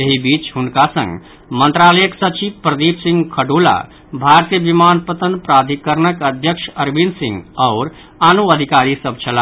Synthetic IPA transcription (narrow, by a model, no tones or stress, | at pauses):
jeɦibit͡ʃɦunkasə̰̃ŋɡ | mənt̪ɾaləjəksət͡ʃibpɾəd̪ibsĩŋɡkʰəɖula̰ | bʱaɾt̪ijəbimanpət̪ənpɾad̪ʱikəɾnəkəd̪ʱjəkʃəɾbinsḭ̃ŋɡaʊɾ | anuəd̪ʱikaɾisəb̚t͡ʃʰəla